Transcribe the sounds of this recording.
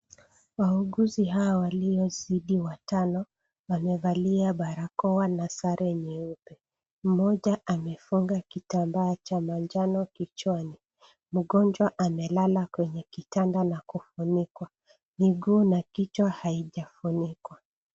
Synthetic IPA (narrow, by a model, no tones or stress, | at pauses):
wauɠuziɦawawaliɔziɗiwatanɔ | wamɛvaliaɓaɾakɔwanasaɾɛɲiupɛ | m̩mɔʄaamɛfuŋɡakitambaːt͡ʃamand͡ʒanɔkit͡ʃwani | m̩ɠɔnd͡ʒwaʔamɛlalakwɛɲɛkitandanakufunikwa | niɡuːnakit͡ʃwahaiʄafunikwa